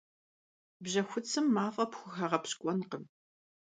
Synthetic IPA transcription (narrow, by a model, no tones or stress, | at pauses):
bʑɐxʷʊt͡sʰɨmːaːfʼɐpxʷʊxɐʁɐpɕkʷʼɔnqəm